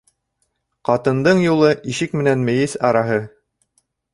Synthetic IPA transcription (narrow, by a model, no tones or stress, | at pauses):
qɑt̪ɤ̆nd̪ɤɴjulˠɤʔiʃɘkmɘ̆nænmɘ̆jɘsɑɾɑɦɤ